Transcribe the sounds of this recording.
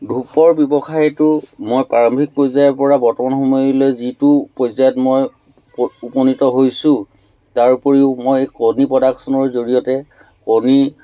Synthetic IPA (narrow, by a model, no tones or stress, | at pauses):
dʱupɔɹbjɔbɔxʰajtʊmojpaɹɔmbʱik̚pɹɔjzajɔɹpɔɹabɔɹtɔmanxɔmɔjlojzitʊpɔjzajɔtmoj | upɔnitɔɦojsʊ̃ | taɹpɔɹiʊmojkonipɹɔdaksɔnɔɹzoɹijɔtɛ | koni